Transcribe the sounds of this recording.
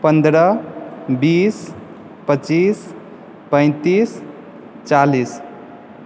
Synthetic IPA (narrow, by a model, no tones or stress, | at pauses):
pənd̪ɾə | bis | pət͡ʃis | pə̃ɪ̃t̪is | t͡ʃalis